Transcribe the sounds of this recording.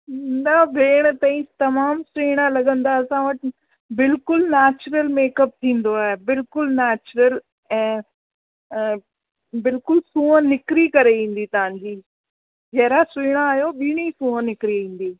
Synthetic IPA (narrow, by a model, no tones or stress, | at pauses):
ɪnd̪abʱeːɽ̃t̪ãːĩt̪ɐmaːmsʊiːɽ̃ãlɐɠə̃nd̪aɐsãʋɐʈ | bɪlkʊlnɛːt͡ɕɾəlmeːkəp̚t̪ʰĩːn̆d̪oaːɦebɪlkʊlnɛːt͡ɕɾəl | ɛ̃ː | bɪlkʊlsũːɦə̃nɪkɾikɐɾeʋĩːn̆d̪it̪ɐʋ̤ãɲd͡ʑiː | d͡ʑɐɦɪɾasiːɽ̃aːjoɓiɽ̃isũːɦə̃nɪkɾiʋĩːn̆d̪iː